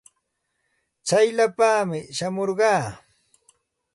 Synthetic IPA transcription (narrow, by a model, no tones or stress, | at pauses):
t͡sajʎapaːmɪʃamoɾɢɑː